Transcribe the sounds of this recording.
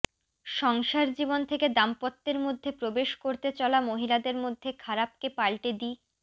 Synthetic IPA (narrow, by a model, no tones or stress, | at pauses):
ʃɔŋʃaɾd͡ʑibont̪ʰeked̪ampɔt̪ːeɾmod̪ʱːepɾobeʃkoɾt̪et͡ɕɔlamoɦilad̪eɾmod̪ʱːekʰaɾap̚kepalʈed̪i